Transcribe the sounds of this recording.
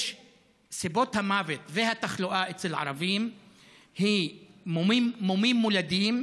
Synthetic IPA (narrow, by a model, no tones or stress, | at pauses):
ʃ | sibo̞t̪hamavet̪vehat̪aχloʔaet͡selʕa̰ɾavim | himmimːomimːulad̪im